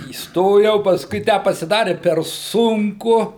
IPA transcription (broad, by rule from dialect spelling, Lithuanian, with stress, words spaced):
iːsˈtoːjɛʊ pɐˈskʊɪ ˈtʲæː pɐsʲɪˈdɑːrʲɪ pʲɛr ˈsʊŋkʊ